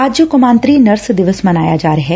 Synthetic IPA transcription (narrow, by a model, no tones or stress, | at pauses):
aːd͡ʒjokʊmãːnt̪ɾiːnɐɾsd̪ɪʋəsmɐnaːjad͡ʒaːɾəɦɛː